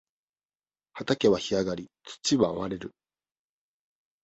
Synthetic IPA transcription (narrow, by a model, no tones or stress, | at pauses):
hat̪ake̞βaçiaɡaɾʲit͡sɨ̥t͡ɕiβaoβaɾe̞ɾɯ̟